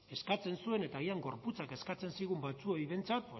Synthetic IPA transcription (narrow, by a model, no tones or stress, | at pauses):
e̞skat͡se̞nsue̞ne̞t̪aɣiaŋɡo̞ɾput͡sake̞skat͡se̞nsiɣ̞umbat͡suojβe̞nt͡sat̪̚p